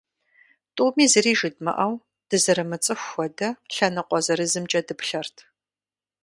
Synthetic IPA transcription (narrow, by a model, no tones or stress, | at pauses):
tʼuːmiːzɨriːʒɨd̚mɐ̰ʔɐw | d̥ɨzɐɾɨmɨt͡sʼɨxʷɔdɐɬɐnɨqʷɔzɐɾɨzɨmt͡ʃʼɐdɨpɬɐrtʰ